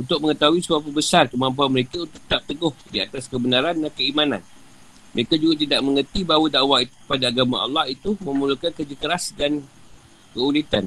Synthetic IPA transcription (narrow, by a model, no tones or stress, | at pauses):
unt̪ʊk̚məŋət̪aɦuisəbap̬əbəsarkəmãmp̬uanməɾekaunt̪ʊ̥k̚t̪ap̚t̪əɡʊhdia̰t̪askəbənaɾanːankəimãna̰n | mə̰ɾekad͡ʒuɡat̪idaʔ̚mə̃ŋərt̪ibawədaʔwait̪u̥əpadaːɡamaɑ̰lːɑhit̪umə̃mulukankərd͡ʒikəɾasdan | kəulit̪a̰n